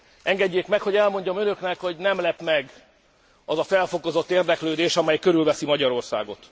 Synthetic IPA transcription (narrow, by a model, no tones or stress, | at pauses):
ɛŋɡɛɟːeːkmɛkho̞ɟɛlmo̞ɲɟɒmønø̞knɛkho̞ɟnɛmlɛpmɛɡ | ɒzɒfɛlfo̞ko̞zo̞t̪ːeːrd̪ɛkløːd̪eːʃɒmɛjkø̞ɾylvɛsimɒɟɒɾo̞rsa̰ːɡo̞t̪